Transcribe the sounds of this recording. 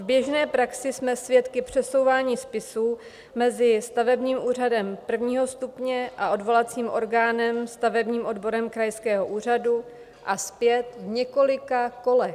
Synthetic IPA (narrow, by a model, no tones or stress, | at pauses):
vbjɛʒnɛːpɾaksɪsmɛsvjɛt̪kɪpr̥ɛso̞wvaːɲiːspɪsuː | mɛzɪst̪avɛbɲiːmʔuːr̝adɛmpr̩vɲiːɦo̞st̪upɲɛʔaʔo̞dvo̞lat͡siːmʔo̞ɾɡaːnɛmst̪avɛbɲiːmʔo̞dbo̞ɾɛmkɾajskɛːɦo̞ʔuːr̝adu | ʔaspjɛt̪vɲɛko̞lɪkako̞lɛ